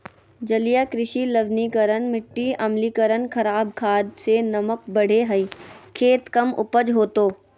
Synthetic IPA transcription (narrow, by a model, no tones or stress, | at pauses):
d͡ʒɐlijakɾɪʃiləʋnikəɾənmɪʈːiɐmliːkəɾənkʰɐɾaːb̚kʰaːd̪senɐmək̚bɐɽ̤eɦɐiːkʰeːt̪kɐmʊ̰pəd͡ʒɦoːt̪oː